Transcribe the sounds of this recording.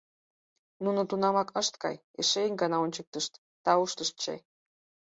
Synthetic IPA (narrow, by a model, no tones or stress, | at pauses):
nunɤ̆t̪unɑmɑkəʃt̪kɑ̰j | eʃeinʲɡɑnɑonʲt͡ɕək̚t̪əʃt̪ːɑuʃt̪əʃt̪̚t͡ɕḛj